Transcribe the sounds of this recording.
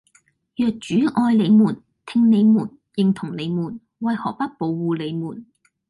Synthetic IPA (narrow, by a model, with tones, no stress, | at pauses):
jœː˨k̚t͡ʃyː˨˥ʔɔː˧jle˨˧jmuː˨˩n | t̪ʰɪ˧ŋne˨˧jmuː˨˩n | jɪ˨˧ŋt̪ʰʊ˨˩ŋle˨˧jmuː˨˩n | wɐ˨jhɔː˨k̚pɐ˥t̚po˨˧wːuː˧le˨˧jmuː˨˩n